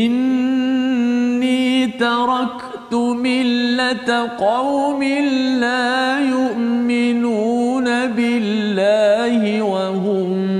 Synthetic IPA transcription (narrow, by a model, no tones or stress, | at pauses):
ʔɪn | iːt̪ɑɾˤɑk | t̪ʊmɪlːat̪qɑwmɪlaːjʊʔmɪnuːnabɪlːaːhɪwaɦʊm